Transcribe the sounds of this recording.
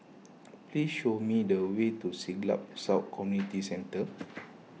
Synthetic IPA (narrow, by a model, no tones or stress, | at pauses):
plisʃomidəwetusiɡla̰p̚saʊt̚kʰɔmjunitisɛ̃ntə